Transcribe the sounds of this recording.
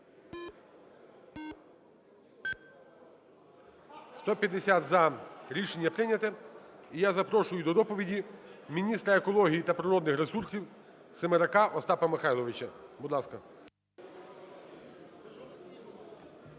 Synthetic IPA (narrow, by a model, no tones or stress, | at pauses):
st̪ɔpʲjɐd̪esʲat̪zɐɾʲiʃenʲːɐpɾɪnʲɐt̪ɛijazɐpɾɔʃʊjʊd̪ɔd̪ɔpɔʋʲidʲimʲinʲist̪ɾɐekɔlˠɔɦʲijit̪ɐpɾɪɾɔd̪nɪxɾesursʲiw | semeɾɐkɑʔɔst̪ɑpɐmɪxɑjlˠɔʋɪt͡ʃɐbud̪lˠɑskɐ